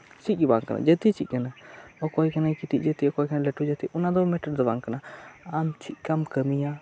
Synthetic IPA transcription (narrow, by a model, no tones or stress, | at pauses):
t͡ʃit̪̚ˀbaŋkana̰d͡ʒət̪it͡ʃʰic̪̚kanaɔkɔjkanajkit̪iʔ̚ˀd͡ʒət̪iɔkɔjkanalɛʈud͡ʒɛt̪iʔɔnad̪ɔmɛʈəɾd̪ɔbaŋkanaamt͡ʃʰit̪̚ˀkamkəmija